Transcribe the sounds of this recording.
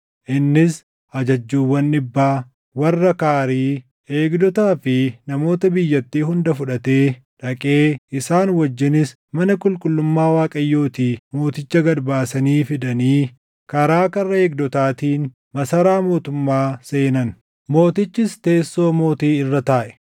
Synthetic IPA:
ʔɪnːɪs | ɐd͡ʒɐd͡ʒːuːwːɐnːɪbːaː | wɐrːɐkaːɾiː | e̞ːɡd̪ɔt̪aːfɪnɐmo̞ːt̪ɐbɪjːɐt̪ːiːɦʊnd̪ɐfʊᶑɐt̪e̞ː | ᶑɐkʼe̞ːɪsaːnwɐd͡ʒːɪnɪs | mɐnɐkʼʊlkʼʊlːʊmːaːwaːkʼɐjːo̞ːt̪iːmo̞ːt̪ɪt͡ʃːɐɡɐɾbaːsɐniːfɪd̪ɐniː | kɐɾaːkɐrːɐeːɡd̪ɔt̪aːt̪iːn | mɐsɐɾaːmo̞ːt̪ʊmːaːse̞ːnɐn | mo̞ːt̪ɪt͡ʃːɪst̪e̞ːsːo̞ːmo̞ːt̪iːɪrːɐt̪aːʔɛ̥

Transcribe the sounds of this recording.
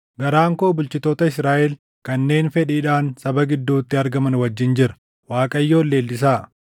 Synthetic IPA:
ɡɐɾaːŋkoːbʊlt͡ʃɪt̪o̞ːt̪ɐɪsɾaːʔɛl | kɐnːe̞ːnfɛᶑiːᶑaːnsɐbɐɡɪd̪ːuːt̪ːɪɐɾɡɐmɐnwɐd͡ʒːɪnd͡ʒɪɾɐ̥ | waːkʼɐjːo̞ːlːe̞ːlːɪs̬aː

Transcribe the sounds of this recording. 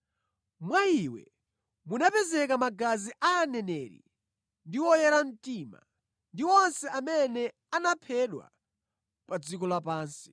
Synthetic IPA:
mwaiwɛ̰ | munapɛzɛkamaɡaziʔaːnɛnɛɾḭ | ndiwɔjɛɾan̩tima̰ | ndiɔnsɛamɛnɛ | anapʰɛɗwa̰ | pad͡zikɔlapaːnsi̥

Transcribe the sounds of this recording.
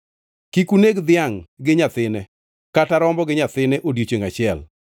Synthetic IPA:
kikuneɡd̪ɪjaŋɡɪɲat̪ɪnɛ | kataɾɔmbɔɡɪɲat̪ɪnɛʔodjot͡ʃeŋat͡ʃɪɛl

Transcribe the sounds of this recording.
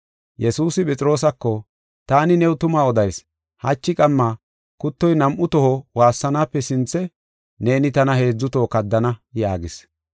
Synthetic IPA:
jɛsuːsɪpʼɛt͡sʼɪɾo̞ːs̬ɐkːɔ | t̪aːnɪnɛwʊt̪ʊmaɔd̪ɐjs | hɐt͡ʃːɪkʼɐmːaː | kʊt̪ːɔjnɐmʔʊt̪ɔhɔwaːsːɐnaːpːɛsɪnt͡sːɛ | ne̞ːnɪt̪ɐnɐhe̞ːd͡zːʊt̪oːkɐd̪ːɐnɐjaːɡɪs

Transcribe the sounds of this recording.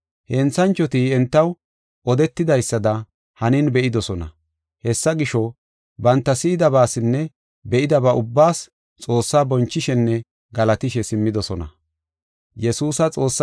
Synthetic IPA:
hɛnt͡sɐnt͡ʃːɔt̪iɛnt̪ːɐw | ʔɔd̪ɛt̪ːɪd̪ɐjsːɐd̪ɐ | hɐnɪnbɛʔɪd̪ɔsɔnɐ̰ | hɛsːɐɡɪʃɔ | bɐnt̪ːɐsɪːd̪ɐbaːsɪnːɛ | bɛʔɪd̪ɐbɐʔʊbːaːs | t͡sʼo̞ːsːaːbɔnt͡ʃːɪʃɛnːɛ | ɡɐlɐt̪ɪʃɛsɪmːɪd̪ɔsɔnɐ̰ | jɛsuːsɐt͡sʼo̞ːsː

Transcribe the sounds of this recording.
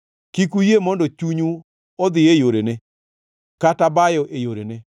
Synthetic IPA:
kikujemɔndɔt͡ʃuɲu | ɔd̪ɪejoɾene | katabajɔʔejoɾene

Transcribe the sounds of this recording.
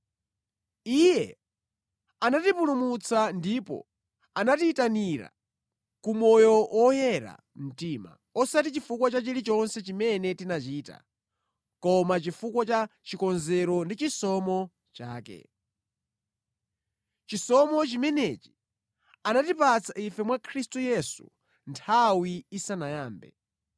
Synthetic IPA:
ijɛ | anatipulumut͡sandipɔ̰ | anatiːtaniɾa̰ | kumɔjɔwʔɔjɛɾa̰ | m̩tima̰ | ɔsat̬it͡ʃifukwɔt͡ʃat͡ʃiɾit͡ʃɔnsɛt͡ʃimɛnɛtinat͡ʃiːta̰ | kɔmat͡ʃifukwɔt͡ʃat͡ʃikɔnzɛɾɔndit͡ʃisɔmɔ | t͡ʃa̰ːkɛ̰ | t͡ʃisɔmɔt͡ʃimɛnet͡ʃi̥ | anatipat͡sʰaʔifɛmwakʰɾistujɛsṵ | ntʰawiːsanajaːmbɛ̰

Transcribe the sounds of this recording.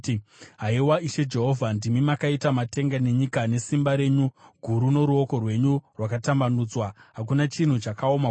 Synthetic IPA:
ɦaiwaiʃe̞d͡ʒe̞ɦo̞vʱandimimakaitamate̞ŋɡane̞ɲikane̞simbaɾe̞ːɲuɡʱuɾuno̞ɾuo̞ko̞rwe̞ɲurwakatambanud͡zwaɦak̬unat͡ʃin̤ut͡ʃakaoma

